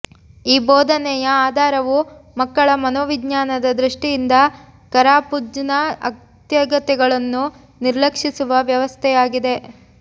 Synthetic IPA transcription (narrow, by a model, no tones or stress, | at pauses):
iːbɔːd̪ʱɐnɛjɐaːd̪ʱaːɾɐʋumɐkːɐɭɐmɐnɔːʋiɡɲaːnɐd̪ɐd̪ɾiʂʈijind̪ɐ | kɐɾaːpud͡ʒɐnɐɐ̰ | t̪jɐɡɐt̪ɛɡɐɭɐnːu | niɾlɐkʂisuʋɐʋjɐʋɐst̪ʰɛjaːɡid̪e̞